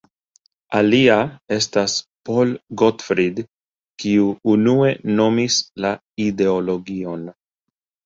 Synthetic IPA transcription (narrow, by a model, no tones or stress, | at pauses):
aliae̞staspo̞lɡotfɾid | kiuunue̞no̞misla | ide̞o̞lo̞ɡio̞n